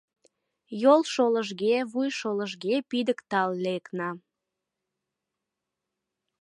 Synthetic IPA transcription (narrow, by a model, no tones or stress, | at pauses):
jolʃoləʒɣeβujʃoləʒɡepid̪əkt̪ɑlːeknɑ